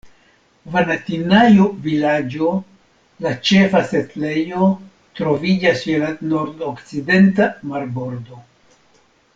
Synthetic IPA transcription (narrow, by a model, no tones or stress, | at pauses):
vanatinajovilad͡ʒo̞ | lat͡ʃe̞fase̞tle̞jo̞ | t̪ɾo̞vid͡ʒaselanoɾdokt͡side̞ntamaɾbo̞ɾd̪o̞